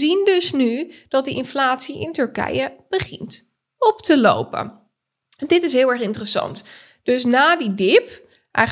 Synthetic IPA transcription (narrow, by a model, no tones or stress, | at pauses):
zindɵsnyd̥ɑt̚dəʔɪnflaːtsiʔɪntɵɹkɛ̰jəb̥əχɪnt | ɔptəlo̰wpə̰n | ndɪtɪsɦɪːlˠɛɹχɪntərəsɑ̰nt | d̥øsnaːdidɪp | ʔɛ̰